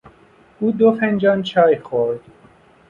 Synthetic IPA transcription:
uːd̪ofend͡ʒɒːnt͡ʃʰɒːjxoɾd̪̥

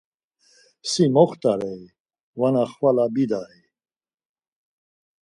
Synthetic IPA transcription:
simɔχt̪ʼaɾɛj | vanaχvalabid̪aɾɛj

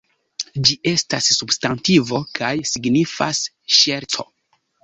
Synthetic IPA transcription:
d͡ʒiʔe̞stasːubstantivo̞kʰajsiɡnifa̰s | ʃe̞ɾt͡so̞̰

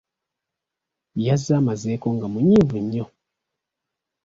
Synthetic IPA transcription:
jazamazekoŋɡamuɲivuɲo

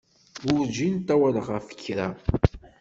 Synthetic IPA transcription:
ʊɾd͡ʒint̪æwæləʁæfə̥kːɾa

